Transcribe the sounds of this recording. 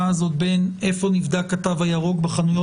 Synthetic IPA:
azo̞t̪̚be̞nefo̞nivdakatavajaʁo̞kbeχanujo

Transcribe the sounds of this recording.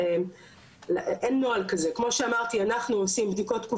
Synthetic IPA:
em | lʔenːoalkazekmo̞ʃeamaʁt̪ianaχnuosimbd̪iko̞t̪ːku

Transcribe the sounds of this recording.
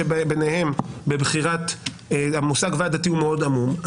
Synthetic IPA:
ebbenehe̞mbebχiʁat̪ | amusaɡvad̪at̪iumeo̞damum

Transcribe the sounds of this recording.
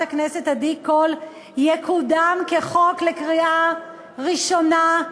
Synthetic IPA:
aknese̞tadikʰːol | jekʰudamkeχo̞klekʁiʔa | ʁiʃo̞na

